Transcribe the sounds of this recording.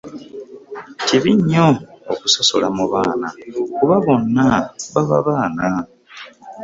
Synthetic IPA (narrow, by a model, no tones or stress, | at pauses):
ciβiɲːoːku̥sasolamuβaːna̰kuβaβo̞nːaβaβa̰βaːna